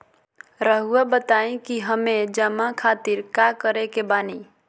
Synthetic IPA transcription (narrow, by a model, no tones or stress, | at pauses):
ɾəɦuabət̪aẽkiɦəmed͡ʒəmakʰat̪iɾkakəɾekebani